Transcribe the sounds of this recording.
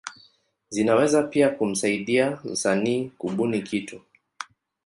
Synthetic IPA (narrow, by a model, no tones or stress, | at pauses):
zinawɛzapiakum̩saiɗiam̩usaniːkuɓunikʰitu